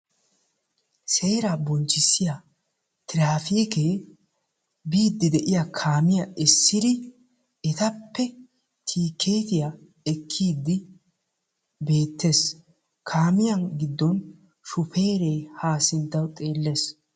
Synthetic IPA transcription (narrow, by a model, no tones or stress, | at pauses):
seːɾaːbɔnt͡ʃːɪsːɪja | t̪ɪɾaːfiːkeː | biːd̪ːɪd̪ɛʔɪjakʰaːmɪjɐʔɪsːɪd̪ɪ | ɛt̪ɐpːɛ | t̪ʰiːkʰːe̞ːt̪ɪja | ɛkʰːiːd̪ːɪ | be̞ːt̪ːe̞ːs | kʰaːmɪjɐnɡɪd̪ːɔn | ʃʊfe̞ːɾe̞ːhaːsɪnt̪ːɐwt̪ʼe̞ːlːes